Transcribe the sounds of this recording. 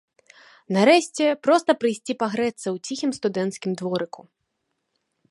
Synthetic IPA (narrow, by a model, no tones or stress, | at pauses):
naɾɛɕʲt͡sʲɛpɾɔst̪ɐpɾɨjsʲt͡sʲipaɣɾɛt̪sːɐwt͡sʲixʲimst̪ud̪ɛnt̪skʲimd̪vɔɾɨku